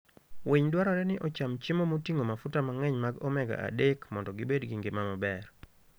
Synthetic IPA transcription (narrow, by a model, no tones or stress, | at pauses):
wiɲdwaɾɔɾɛnɪʔɔt͡ʃamt͡ʃɪmomotiŋomafutamaŋɛɲmaɡɔmɛɡa̰ʔa̰dekmɔndɔɡɪbedɡɪŋɡɪmamɔbɛr